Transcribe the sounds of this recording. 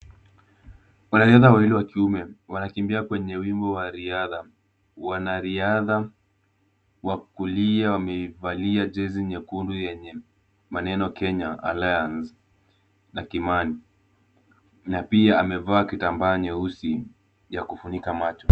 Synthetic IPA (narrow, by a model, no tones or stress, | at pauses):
wanaɾiaðawahilɛwakiumɛwanakimbiakwɛɲɛwimbɔwaɾiaða | wanaɾiaða | wakuliawamɛvaliad͡ʒɛziɲɛkundujɛɲɛ | manɛnɔkɛɲaa̰lajans | nakimani | napiaamɛvaːkitambaːɲɛusi | jakufunikamat͡ʃɔ